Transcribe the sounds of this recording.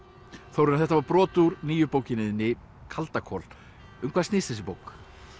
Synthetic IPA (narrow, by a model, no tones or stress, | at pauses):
θowɾʏnaθɛht̪avaɾpɾɔːt̪uɾniːjʏpoːwcɪnɪðɪnːɪ | kʰalt̪akʰɔl | ʏmkʰvaðst̪nɪstθɛs̬ɪpoːwk